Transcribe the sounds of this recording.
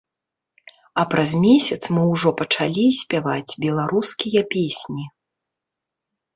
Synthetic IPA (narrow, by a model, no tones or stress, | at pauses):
ɐpɾɐzmʲesʲɐt̪smɨwʐɔpɐt͡ʂalʲisʲpʲavad͡zʲbʲɛlˠaɾuskʲijɐpʲesʲnʲi